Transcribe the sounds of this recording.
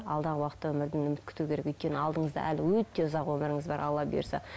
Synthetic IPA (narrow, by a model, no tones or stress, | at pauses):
ɑlˠd̪ɑʁəwɑqət̪ːɑwɵmɪɾd̪ɪnɵmɪt̪kʰʏ̥t̪ukʲʰe̞ɾekɵjt̪̚kʲe̞nɪɑlˠd̪əɴəzd̪ɑ̰ʔælɪwɵt̪ːe̞ʊzɑqwɵmɪɾɪŋɪzbɑɾʔɑ̰lːˠɑpbḛɾsɑ̰